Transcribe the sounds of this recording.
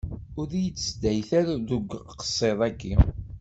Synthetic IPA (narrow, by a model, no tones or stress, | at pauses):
ʊɾijət͡sːsd̪æjθæɾaðuɡʷqə̥sˤːeðˤækːi